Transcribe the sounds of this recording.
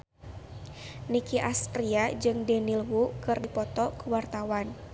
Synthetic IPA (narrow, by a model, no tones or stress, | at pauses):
nikiʔast̪ɾiad͡ʒɨŋdɛnilwukɨrdipɔt̪ɔkuwart̪awan